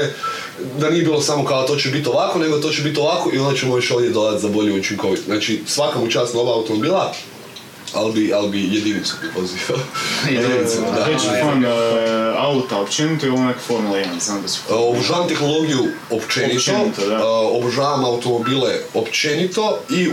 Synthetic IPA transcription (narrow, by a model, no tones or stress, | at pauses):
e | d̪anie̞bilˠo̞samokat̪o̞t͡ɕebit̪o̞ʋako̞ne̞ɡod̪at̪o̞ːt͡ʃebit̪o̞ʋako̞ʔio̞nd̪at͡ʃemoʋit͡ʃo̞ʋjed̪olaat̪zabo̞ʎijuut͡ʃiŋko̞ʋit̪onaːt͡ʃisʋakamut͡ʃaːst̪no̞ʋaːut̪o̞mo̞biːlˠa | albiʔalibije̞d̪init̪supɾipoziʋaojed̪inisuaet͡ʃo | aut̪aopt͡ʃenit̪oioonekfoɾmulˠanzad̪̥obrʒaːʋamt̪e̞xno̞lˠo̞ɡiju | opt͡ʃenit̪ot̪obʒaːʋamaut̪o̞mo̞biːleopt͡ʃenit̪o̞i